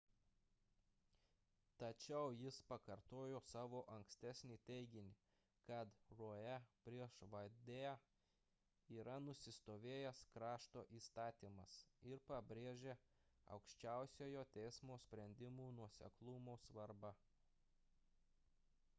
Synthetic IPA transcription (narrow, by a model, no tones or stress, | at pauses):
t̪ɐt͡ʃʲɛʊjɪspɐkɐɾt̪oːjoːsɑːʋoːʔɐŋksʲt̪ʲæsʲnʲiːt̪ʲɛɪɡʲɪnʲɪ | kɐt̪ɾoːjɛpʲɾʲiɛʃʋɐd̪ʲeː | iːɾɐnʊsʲɪst̪oːʋʲeːjɛskɾɑːʃt̪oːʔiːst̪ɑːt̪ʲiːmɐsɪɾpɐbʲɾʲeːʒʲeːɐ̰ʊkʃʲt͡ʃʲæˑʊsʲoːjoːt̪ʲɛɪsmoːsʲpʲɾʲɛnʲd̪ʲɪmuːnuɔsʲɛ̰klˠʊmoːsʋɐɾbɐ